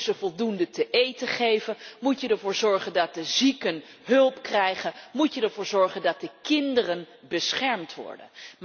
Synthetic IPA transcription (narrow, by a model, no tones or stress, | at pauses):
zəvɔlˠdundətəʔejtəχejvənmutjədɛɹvʊːɹzɔɹχəndɑt̚dəzikən | ɦɵlˠpkrɛjχənmutədɛɹvʊːɹzɔɹχəndɑt̚dəkɪndərən | bəsχɛɹmtʋɔ̰ɹdə̰nm